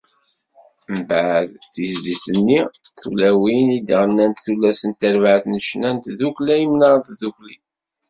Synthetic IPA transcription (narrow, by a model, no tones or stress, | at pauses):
mbəʕðθizlisənːiθulæwinid̪əʁənːænt̪θulːæsənt̪ːæɾvʕəθnəʃnænt̪ðuklæjəmnɑɾt̪ðukli